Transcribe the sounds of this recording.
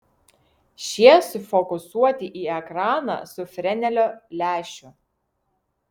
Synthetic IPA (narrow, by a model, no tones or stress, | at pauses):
ʃʲiɛsʊfɔkʊsuɔt̪ʲɪʔiːɛkɾɑːnɑ̰ːsʊfʲɾʲɛnʲɛlʲoːlʲæːʃʲʊ